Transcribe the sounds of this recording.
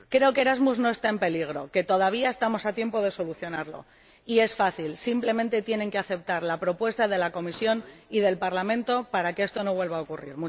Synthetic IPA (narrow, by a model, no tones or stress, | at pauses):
kɾe̞o̞keɾazmuzno̞est̪ae̞mpe̞liɣ̞ɾo̞̰ke̞t̪o̞ð̞aβ̞iae̞st̪amo̞sat̪je̞mpo̞ð̞e̞soluθjo̞naɾlo̞̰ | ie̞sfaθilsimple̞mẽ̞nt̪e̞t̪je̞ne̞ŋke̞aθe̞p̚t̪aɾlapɾo̞pwe̞st̪aðe̞lako̞misjo̞niðe̞lpaɾlamẽ̞nt̪o̞paɾakee̞st̪o̞no̞βwe̞lβaokurḭɾmũ